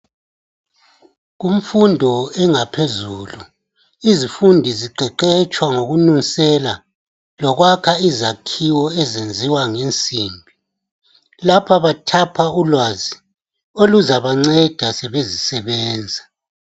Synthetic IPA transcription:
ɣum̩fundʱɔɛŋapʰezulu | izifundʱiziǃʱɛǃɛt͡ʃʼwaŋoɣununsɛla | lɔɣwakʰaizakʰiwɔɛzend͡zʱiwaŋent͡sʼiːmbʱi | lapʰaβatʰapʰaulwazi | oluzaβaŋ͡ǀɛd̥ʱasɛβezisɛβɛːnd͡zʱa

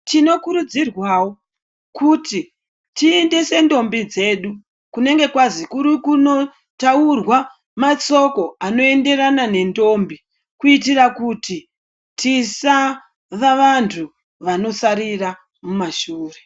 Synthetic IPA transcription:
tino̞kuɾud͡zirwaːwo | kuti | tiendese̞ndo̞mbid͡ze̞ɗu | kune̞ŋɡe̞kwazikuɾikuno̞ | taurwa | mat͡so̞ko̞ano̞e̞nde̞ranane̞ndo̞mbi | kuitirakuti | tisa | ʋaʋantʰu | ʋano̞saɾira | mumaʃuːre

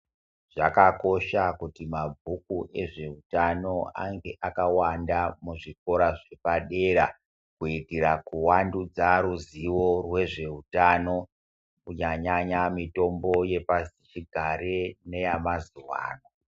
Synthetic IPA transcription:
ʐakako̞ʃakutimabʱukuʔe̞ʐe̞utano̞a̰ŋɡe̞ʔakawandamuʐik̚o̞ɾaʐe̞paɗe̞ɾa̰ | kuitirakuwandud͡zaɾuziwo̞rwe̞ʐe̞utano̞ | kuɲaɲaɲamito̞mbo̞je̞pazit͡ʃiɡʱaɾene̞jamazuwa̰ːno̞

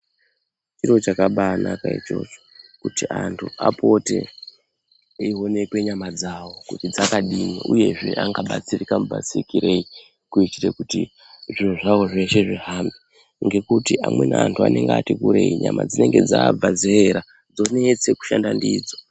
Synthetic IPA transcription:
t͡ʃiɾo̞t͡ʃakaɓaːnakait͡ʃo̞̰t͡ʃokutiantʰua̰po̞te̞̰ | iɦo̞ne̞kwe̞ɲamad͡zaːwo̞kutid͡zakaɗimiʔuje̞ʐe̞ʔaŋɡaɓat͡sirikamubʱa̰sikiɾe̞i | kuitire̞kuti | ʐioʐawo̞ʐe̞ʃe̞ʐiɦaːmbi | ŋɡe̞kutiʔamwe̞neantʰua̰ne̞ŋɡeatikuɾe̞iɲa̰ma̰d͡zine̞ŋɡe̞d͡zab͡vazeeɾa | d͡zo̞ne̞t͡se̞ku̥ʃandandiːd͡zo

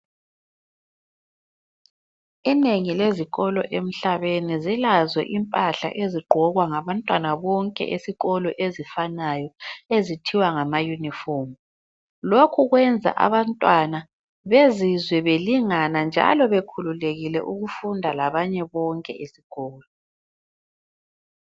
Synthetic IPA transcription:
ineŋileziɣɔlɔʔem̩ɬaβenizilazwɛ̰ʔimpʼaɬa̰ʔeziɡ͡ǃʱɔɣwaŋaβantʼwanaβɔŋkʼɛ̰ʔesiɣɔlɔʔezifanajɔezitʰiwaŋamajunifɔm | lokʰuɣwɛnd͡zʱa̰ʔa̰βantʼwana | βezizwɛβeliŋanand͡ʒʱa̰lɔβekʰululeɣilɛ̰ʔuɣufundʱalaβaɲɛβɔŋkʼɛ̰ʔesiɣɔːlɔ

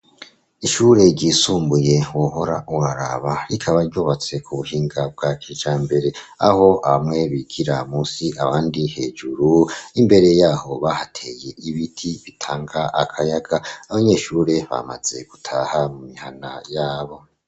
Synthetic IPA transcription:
iʃuɾe̞ɾɟiːsuːmbuje̞woɦo̞ɾaʔuwaɾa̰βaɾikʰaβaɾɟoːβat͡se̞kʰuβuhiːŋɡab̚ɡat͡ʃit͡ʃaːmbe̞ɾe̞a̰ho̞ʔaβamŋe̞βikʰiɾamusiʔaβaːndihe̞d͡ʒuɾuimbe̞ɾe̞jaːho̞βahatʰeje̞iβitʰiβitʰaːŋɡaʔakʰajaɡaaβaɲe̞ːʃuːɾe̞βa̰ma̰z̥e̞ɡ̥utʰaːhamumihanajaːβo̞

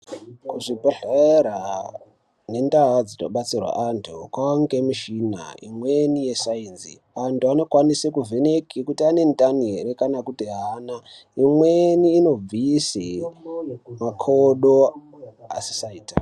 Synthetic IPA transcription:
kuʐibʱaɬaeɾa | ne̞ndawad͡zitoɓat͡sirwa̰ʔantʰukwaaŋɡemiʃina̰ḭmwenije̞sainzḭ | ʋantuano̞kwanisekuvenekʰikutiane̞ntaniɦeɾekanakutiɦaːnaimweniːno̞b͡vise | makʰoɗo | a̰si̥saiːta

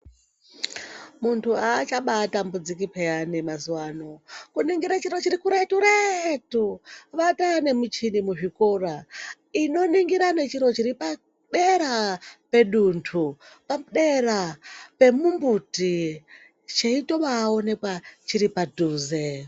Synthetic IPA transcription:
muntʰuaːt͡ʃaɓatambud͡zikipʰeanemazuwaːnokuniŋɡiɾat͡ʃiɾo̞t͡ʃiɾikuɾetuɾetuʋatane̞mut͡ʃinimuʐikora | ino̞niŋɡiɾane̞t͡ʃiɾo̞t͡ʃiɾipa | ɗeɾape̞ɗuntʰupaɗerape̞mumbuti | t͡ʃeitoʋaːo̞ne̞kwat͡ʃiɾipadʱuːze

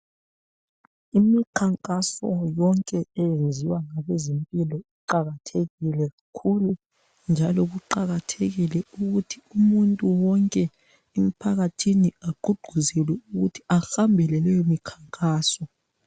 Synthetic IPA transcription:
imikʰaŋkʼasɔjɔŋkʼɛɛjend͡zʱiwaŋaβezempʼilɔiǃaɣatʰeɣilɛɣakʰulu | nd͡ʒʱalɔɣuǃaɣatʰeɣilɛuɣutʰiumuntʼuwɔŋkʼɛ | em̩pʰaɣatʰiniaɡ͡ǃʱuɡ͡ǃ̥ʱuzɛlwɛuɣutʰi̥axambʱɛlɛlɛjomikʰaŋkʼaːsɔ

